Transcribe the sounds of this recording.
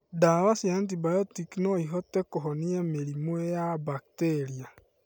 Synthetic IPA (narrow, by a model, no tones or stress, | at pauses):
daβasiant̬ibajotikinoiɦotekoɦoniemelimwejabaktelia